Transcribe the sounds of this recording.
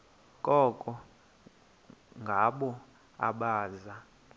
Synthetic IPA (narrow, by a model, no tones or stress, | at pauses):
kʼɔkʼɔ | ŋɡʱaɓɔ | a̰ɓaːza